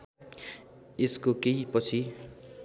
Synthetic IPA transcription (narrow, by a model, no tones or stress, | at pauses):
eskokejpʌt͡sʰi